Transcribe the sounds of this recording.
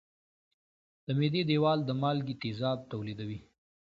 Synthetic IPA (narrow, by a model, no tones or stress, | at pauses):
d̪̥əmed̪ed̪ewɑld̪əmɑlɡit̪ezɑb̚t̪awlid̪awi